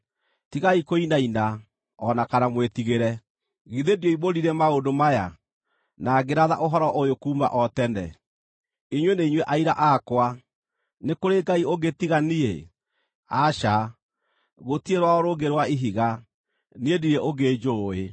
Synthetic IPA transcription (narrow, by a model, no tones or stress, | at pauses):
tiɣaikoinaina | ɔnakanamwetiɣeɾɛ | ɣiðediɔiβoɾiɾɛmaodomaja | naɡeɾaða̰ʔoɦɔɾɔʔojokuːma̰ʔɔtɛnɛ̰ | iɲweneiɲweʔaiɾa̰ʔakwa | nekoɾeɡaioɡetiɣaniḛ | aʃa | ɣotieɾwaɔɾoɡeɾwaiɦiɣa | niediɾeʔoɡed͡ʒoe